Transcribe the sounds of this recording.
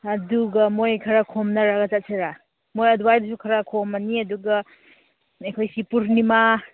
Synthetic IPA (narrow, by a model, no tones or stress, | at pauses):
ɐduɡɐmojkʰɐɾakʰomnɐɾaɡɐt͡ʃat̚seɾa | mojɐduwajdus̬ukʰɐɾakʰomɐniɐduɡɐ | ɐjkʰojsipuɾnima